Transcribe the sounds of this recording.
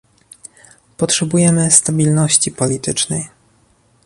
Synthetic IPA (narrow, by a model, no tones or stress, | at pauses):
pɔtʂɛbujɛmɘst̪abʲilnɔɕt͡ɕipɔlʲit̪ɘt͡ʂnɛj